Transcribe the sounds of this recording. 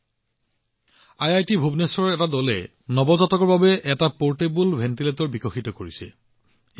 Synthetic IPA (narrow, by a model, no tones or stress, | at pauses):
ajajtibʱubnesɔɹɛtadɔlɛ | nɔbɔzatɔkɔɹbabɛʔɛtapoɹtebulbʱɛntiletɔɹbikɔxitɔkoɹisɛ̰